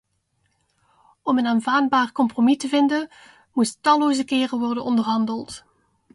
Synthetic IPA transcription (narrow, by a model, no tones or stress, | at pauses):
ɔmənaːnvaːd̚baːrkɔmpromitəvɪndən | muttɑloːwzəkɪːrəʋɔrdənɔndərɦɑndəlˠt